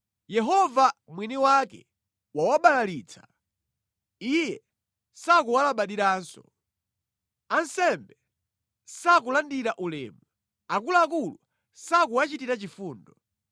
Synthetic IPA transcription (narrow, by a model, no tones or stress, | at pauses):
jɛɦɔvamwiniwakɛ̰ | wawaɓalaliːt͡sʰḁ | ijɛ | sak̬uwalaɓaɗiɾaːnsɔ | ansɛmbɛ | sak̬ulandiɾaʔulɛ̰ːmu | akulak̬ulu | sakuwat͡ʃitiɾat͡ʃifuːndɔ